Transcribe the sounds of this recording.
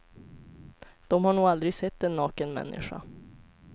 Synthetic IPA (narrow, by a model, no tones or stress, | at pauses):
d̪̥ɔmhaɳuːɡald̪ɾɪɡsɛt̪ːɛnːɑːkənmɛ̰nːʔɪ̰ɧa̰